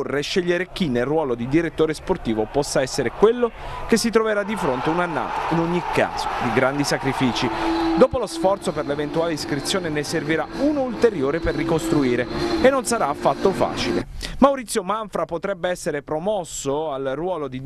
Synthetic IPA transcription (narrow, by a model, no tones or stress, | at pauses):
rːeʃːeʎːeɾek̟inːelrwɔːlod̪id̪iɾet̪ːoːɾesport̪iːvopɔsːaɛsːeɾekwelːok̟esːit̪ɾoveɾad̪ːifɾont̪eunanːa̰ːt̪ḁinoɲːikʰːa̰ːz̥o̥d̪iɡɾand̪isakɾifiːt͡ʃid̪oːpolosfɔrt̪soperlevent̪uaːleiskɾit̪sːjoːneneserviɾauːnoult̪eɾjoːɾeperːikost̪ɾuiːɾeenːonsaɾaːfːat̪ːofa̰ːt͡ʃilḛmawɾit̪sːjomaɱfɾapot̪ɾɛbːeɛsːeɾepɾomɔsːoalrwɔːlod̪i